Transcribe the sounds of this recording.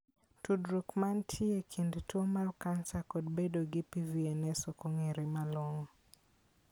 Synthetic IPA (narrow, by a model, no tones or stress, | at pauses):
tudɾukmantʰiekʰindtwomalkansakod̚bedoɡɪpiviɛnɛsɔkoŋeɾemalwoŋo